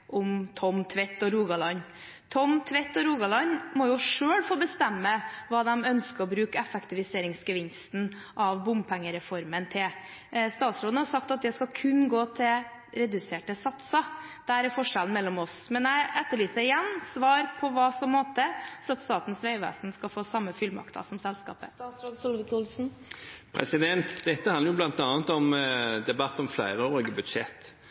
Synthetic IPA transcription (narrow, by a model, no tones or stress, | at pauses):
ʔʊmt̪ʰɔmt̪ʰʋɛt̪ːɔɾuːɡɑlɑnː | t̪ʰɔmt̪ʰʋɛt̪ːɔɾuːɡɑlɑnmɔjʊʂøːɽfoːbəst̪ɛmːəʋɑːd̪ɛmœnskəɾɔbɾʉːkəɛfɛkt̪ɪʋɪseːɾɪŋsɡəʋɪnst̪n̩ | ʔɑʋbʊmpʰɛŋːəɾɛfɔɾmənt̪ʰɪl | st̪ɑːt̪sɾoːd̪əhɑɾsɑk̚t̪ɑt̪̚d̪ɛskɑkʰʉnɡoːt̪ʰɪ | ɾɛd̪ʉseːʈəsɑt̪sɑ | d̪̥æɾæɾfɔʂɛln̩mɛlːɔmɔsmɛnæɪʔɛt̪ːəɭyːsəɾɪjɛnːsʋɑːɾpʰɔʋɑːsɔmːoːt̪əfɔɾɑt̪st̪ɑːt̪n̩sʋeɪʋæ̰ːsnskɑlfoːsɑmːəfʏlmɑ̰kt̪ɑ̰sɔmsɛlskɑ̰ːpəsɾosʊlʋɪkulsn̩ | pʰɾɛ̰sɪd̪ɛnt̪d̪ɛt̪ːəhɑnɾjʊblɑnt̪ɑːnət̪ɔmd̪ɛbɑt̪ːɔmflæɪɾəoːɾɪɡəbʉd̪ʃɛ̰t̪ː